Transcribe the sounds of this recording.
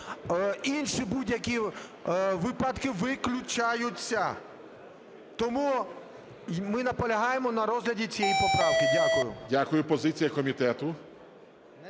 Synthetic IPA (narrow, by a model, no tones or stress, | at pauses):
inʃibudʲjɐkʲi | ʋɪpɐt̪kɪʋɪklʲʊt͡ʃajʊt͡sʲːɐ | t̪ɔmu | mɪnɐpɔlʲɐɦɑjemɔnɐɾɔzɦlʲɐdʲit͡sʲijɛjipɔpɾɑʋkɪdʲakʊjʊ̰dʲakʊjʊpɔzɪt͡sʲijɐkɔmʲit̪ɛt̪ʊ